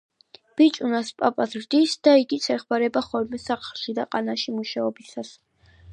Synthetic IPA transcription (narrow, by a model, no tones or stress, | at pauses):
b̥it͡ʃʼunaspʼapʼasɾd̪isd̪̥aiɡit̪sʰɛχmaɾɛbaχɔɾmɛsaχʰlˠʃid̪aqʼanaʃimuʃaɔbisas